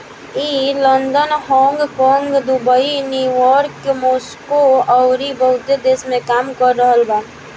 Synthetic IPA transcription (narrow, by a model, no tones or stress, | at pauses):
iːlənd̪ənhɔ̃ːŋɡkɔ̃ŋɡd̪ubəinjuʋɔɾkemoːskoɔʊɾibəɦʊt̪ed̪eːsmẽkaːmkəɾːəɦəlbaː